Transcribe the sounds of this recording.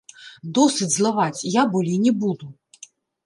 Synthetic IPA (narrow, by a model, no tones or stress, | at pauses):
d̪ɔsɨd͡zʲzlˠavat͡sʲjabulʲinʲɛbud̪u